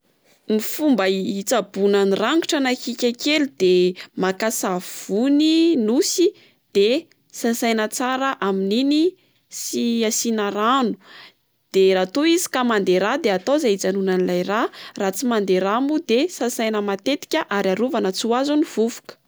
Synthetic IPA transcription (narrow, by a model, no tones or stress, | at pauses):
nifumbəit͡sabunaniraŋɡuʈ͡ʂanakikʲakeld̪̥emakasav̥uninusi | d̪̥e | sasajnət͡saɾəʔaminini | siasinaɾanu̥ | d̪̥eɾat̪oizi̥kamand̪eɾad̪eat̪ozait͡sanunanilajrarat͡simand̪eɾamud̪esasajnəmat̪et̪i̥kʲəʔaɾaɾuvanət͡suazuniv̥uvu̥kə̥